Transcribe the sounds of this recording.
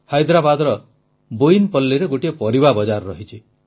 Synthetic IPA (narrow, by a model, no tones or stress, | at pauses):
hɔjd̪ɾabad̪ɔɾɔ | bojinpɔlːeɾeɡoʈiepɔɾibabɔd͡ʒaɾɾɔɦit͡ʃʰi